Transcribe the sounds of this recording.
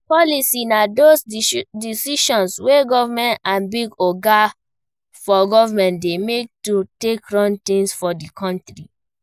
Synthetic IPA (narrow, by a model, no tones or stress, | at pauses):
pɔlisinadosdisiʃɔ̃nsweɡɔvamɛ̃ntãnbiɡɔɡa | fɔɡɔvamɛ̃ntdemek̚tutekɹɔ̃ntĩnsfɔdikʰɔ̃ntɾi